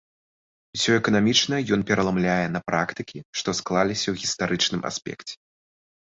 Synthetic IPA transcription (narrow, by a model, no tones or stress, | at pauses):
usʲɔɛkɐnamʲit͡ʂnɐjɔnpʲɛɾɐlˠamlʲajɛnɐpɾʔakt̪ɨkʲiʂt̪ɔsklˠalʲisʲɐwɣʲist̪aɾɨt͡ʂnɨmʔa̰sʲpʲɛ̰kt͡sʲɛ̥